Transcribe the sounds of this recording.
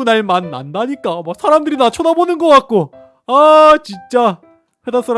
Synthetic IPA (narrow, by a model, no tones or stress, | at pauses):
unaɭmanːa̰ndaɲik͈amwak̚sʰaɾamdɯɾinat͡ɕʰonabonɯnɡʌk͈at̚k͈o | at͡ɕint͡ɕ͈a | ɸwedas͈aɾ